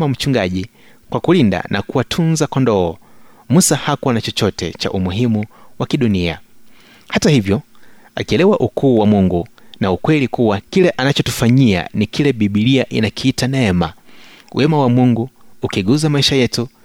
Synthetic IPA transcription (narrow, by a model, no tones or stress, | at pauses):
am̩t͡ʃuŋɡaʄi | kwakulinda̰nʔa̰kuwatʰunzakɔndɔː | musahakwanat͡ʃɔt͡ʃɔtɛ̰t͡ʃa̰ʔumuɦimuwakiɗunia̰ | hatahivjɔ | a̰kiɛlɛwaʔukʰuːwamuŋɡunaukwɛlikuwakilɛʔanat͡ʃɔtufaɲia̰nikilɛɓiɓiliaʔinakiːtanɛɛma | wʔɛmawamuŋɡuːkiɡuzamaiʃajɛtu